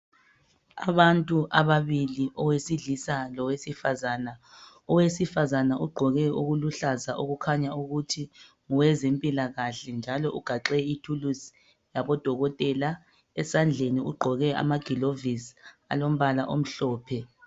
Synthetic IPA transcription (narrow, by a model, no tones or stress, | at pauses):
a̰βantʼuʔaβaβiliʔɔwesiɮisalɔwesifazana | ɔwesifazanaʔuɡ͡ǃʱɔɣɛuɣuluɬazaʔuɣukʰaɲauɣutʰi | ŋuwɛzempʼilaɣaɬɛnd͡ʒʱalɔʔuɡ̥ʱaǃɛitʰulus | jaβɔd̥ʱɔɣɔtʼɛla | ɛsand͡ɮʱeniuɡ͡ǃʱɔɣɛa̰maɡ̥ʱilovisa̰lom̩βalaʔom̩ɬɔːpʰɛ